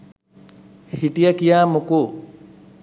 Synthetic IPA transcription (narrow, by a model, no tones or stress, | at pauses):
hhiʈijəkijaːmuku